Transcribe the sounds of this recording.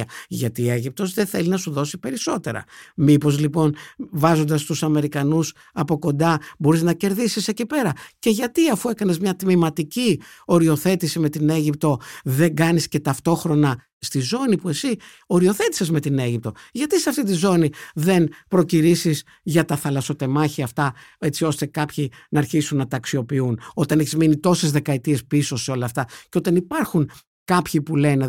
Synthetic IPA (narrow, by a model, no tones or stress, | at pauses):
ɐʝɐt̪ioe̞ʝip̚t̪o̞zðeθe̞linɐsuðo̞sipe̞ɾiso̞t̪e̞ɾɐ̰mipo̞zlipo̞nvɐzo̞nd̪ɐst̪usɐme̞ɾikɐnus | ɐpo̞ko̞nd̪ɐbo̞ɾiznɐce̞ɾðisise̞cipe̞ɾɐce̞ʝɐt̪iɐfue̞kɐne̞zmɲɐt̪mimɐt̪icio̞ɾio̞θe̞t̪isime̞t̪ine̞ʝip̚t̪o̞ðe̞ŋɡɐnisce̞t̪ɐft̪o̞xɾo̞nɐ | st̪izo̞nipue̞si | o̞ɾio̞θe̞t̪i̥se̞zme̞t̪ine̞ʝip̚t̪o̞ʝɐt̪iseɐft̪it̪izo̞niðe̞npɾo̞ciɾisis | ʝɐt̪ɐθɐlɐso̞t̪e̞mɐçiɐft̪ɐe̞t͡sio̞st̪e̞kɐpçinɐːɾçisunːɐt̪ɐksio̞piuno̞t̪ɐneçizminit̪o̞se̞zðe̞kɐet̪ie̞spiso̞seo̞lɐːft̪ɐceot̪ɐnipɐɾxun | kɐpçipule̞ne̞